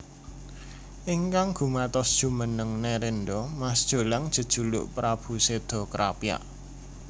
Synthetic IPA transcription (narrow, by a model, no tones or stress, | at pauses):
ʔiŋkaŋɡ̥ṳmat̪ɔsd̥ʒ̥ṳmənəŋneɾendɔmasd̥ʒ̥o̤laŋd̥ʒ̥ə̤d̥ʒ̥ṳlʊ̰ʔpɾab̥ṳsed̪̥ɔ̤kɾa̰pja̰ʔ